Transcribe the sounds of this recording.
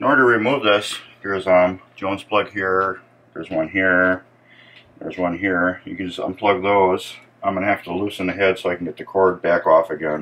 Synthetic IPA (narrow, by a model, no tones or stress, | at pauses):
ɨ̃nɔɹdə˞əɹimuvðʌsðə˞zãɪ̃m̥d͡ʒ̥õʊ̃nz̥pʰl̥ʌɡhiɹ | ðə˞zwʌ̃nɦiɹ | ðə̰˞zwʌ̃nɦiɹjɨ̰kɨ̃nd͡ʒʌsã̰ɪ̃mpʰl̥ʌɡ̚ðoʊz̥ | ãɪmɡənɨhæftəlusɨ̃nðɨɦɛd̥soʊaɪkn̩ɡɛt̪̚ðɨkʰɔɹd̚bækɔfɨɡɛ̃n